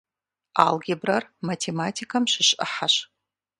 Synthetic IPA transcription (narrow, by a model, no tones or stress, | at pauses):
a̰lɡʲɪbrarmatʰematʰikʰamʃʷɪʃə̰ħaʃ